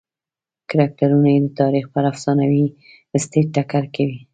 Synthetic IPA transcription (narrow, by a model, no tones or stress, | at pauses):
kaɾak̚ʈaɾunajed̪ət̪ɑɾixpəɾafsɑnawi | əst̪eʈakaɾkawi